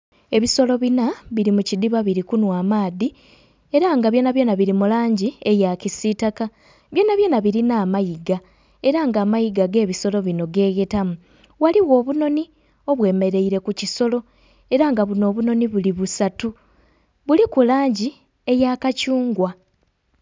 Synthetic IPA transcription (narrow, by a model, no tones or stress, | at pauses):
e̞βiso̞lo̞βinaβiɾimucid̪iβaβiɾikunwaːmaːði | e̞ɾaŋɡaβjo̞ːnaβjo̞ːnaβiɾimulaːɲɟie̞jacisitaka | βjo̞ːnaβje̞ːnaβiɾinaːmajiɡa | e̞ɾaŋɡaːmajiɡaɡe̞ːβiso̞lo̞βino̞ɡe̞ːɣe̞tamu | waliɣo̞ːβuno̞ni | o̞βwe̞ːme̞ɾe̞iɾe̞kuciso̞lo̞ | e̞ɾaŋɡaβuno̞ːβuno̞niβuliβusatu | βulikulaːɲɟi | e̞jaːkacuːŋɡwa